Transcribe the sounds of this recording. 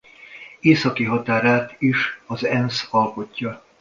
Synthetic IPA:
eːsɒkiɦɒt̪aːɾaːt̪iʃɒzɛnsɒlpo̞cːɒ

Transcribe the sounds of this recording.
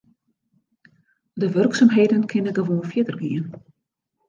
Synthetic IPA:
dəʋørksamɦeːdənkʰɪnəɡəʋoːnfjɪtərɡiən

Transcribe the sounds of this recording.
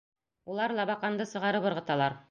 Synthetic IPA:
ulˠɑɾlˠɑβɑqɑnd̪ɤsɤ̆ʁɑɾɤpɤ̆ɾʁɤ̆t̪ɑlˠɑɾ

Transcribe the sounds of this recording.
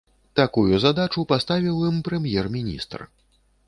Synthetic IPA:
t̪akujuzad̪at͡ʂupast̪avʲiwjɨmpɾɛmjɛrmʲinʲḭst̪r

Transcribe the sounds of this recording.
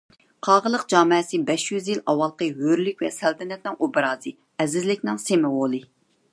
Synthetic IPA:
qʰɑːʁəlˠəqd͡ʒɑːmɛsɨbɛʃjyzjilɑwɑlˠqəɦøɾlykʲwɛsælt̪ʰɪnɛt̪̚nɪŋubɾɑːzɨ | ɛzɪzlɪkʲnɪŋsemɪwolˠɨ

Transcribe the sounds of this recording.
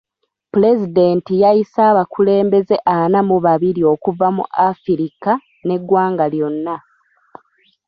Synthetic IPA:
pule̞zide̞ntijajisaːβakule̞ːmbe̞ze̞ʔanamuβaβiɾio̞ːkuvamṵʔafiɾika | ne̞ɡwaːŋɡaljo̞nːa

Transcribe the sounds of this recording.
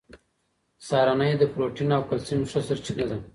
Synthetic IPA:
sɑːɾanajd̪əpɾoʈinawkalsinʂəsəɾt͡ʃinad̪a

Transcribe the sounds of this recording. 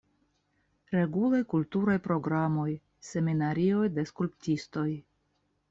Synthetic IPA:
ɾe̞ɡulajkultuɾajpɾo̞ɡɾamo̞j | se̞minaɾio̞jde̞skulptisto̞j

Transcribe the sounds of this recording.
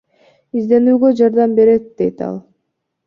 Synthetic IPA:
izd̪e̞nyːɡø̞d͡ʒɑɾd̪ɑmbe̞ɾet̪̚d̪e̞̰jt̪ɑ̰lˠ

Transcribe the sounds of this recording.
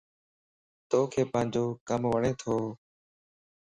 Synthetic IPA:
t̪oːkʰeːpãːɪ̃ɲd͡ʒoːkəmʋəɳeːt̪ʰoː

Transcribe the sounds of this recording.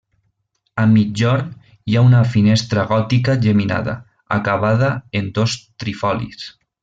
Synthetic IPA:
əmːid͡ʒɔɾn | jaunəfinest̪ɾəɣ̞ɔt̪ikəʒəmina̰ðə̰ | ə̰kaβ̞að̞əend̪ost̪ɾifɔlḭs

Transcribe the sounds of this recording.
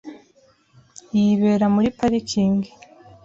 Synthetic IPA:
jiβeːɾamuɾipaɾikʰiːŋɡe̥

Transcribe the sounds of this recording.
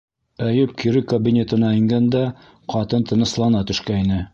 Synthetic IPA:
æjɵp̚kʰiɾɘkɐbʲinʲet̪ɤ̆nɑiŋɡɑnd̪ɑ | qɑt̪ɤnt̪ɤ̆nɤ̆slˠɑnɑt̪ɵ̆ʃkæinɘ

